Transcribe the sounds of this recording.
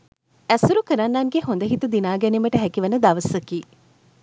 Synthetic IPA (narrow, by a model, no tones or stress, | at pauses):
æsuɾukəɾanːaŋɡeɦond̪əɦit̪ud̪inaːɡɛniməʈəɦɛkiʋənəd̪aʋəsəkiː